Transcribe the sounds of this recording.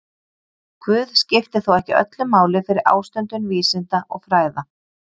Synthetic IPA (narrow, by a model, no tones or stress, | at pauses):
kʰvʏːðscɪft̪ɪθowɛhcɪʔœ̰t̪lʏmaːwlɪfɪɾɪɾa̰ːwst̪œnt̪ʏnviːsɪnt̪aʔɔɣfɾaːjða